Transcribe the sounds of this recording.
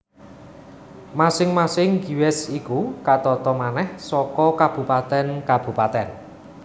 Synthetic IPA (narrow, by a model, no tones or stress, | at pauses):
masɪŋmasɪŋɡi̤wɛsikukat̪ɔt̪ɔmanɛhsɔkɔkab̥ṳpat̪ɛnkab̥ṳpat̪ɛn